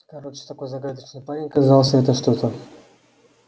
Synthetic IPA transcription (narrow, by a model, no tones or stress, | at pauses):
kɐɾot͡ʃɨ̥t̪ako̞jzɐɡad̪ət͡ʃnəjpanʲɪjkazɑlˠsʲəɛt̪əʂt̪ot̪ə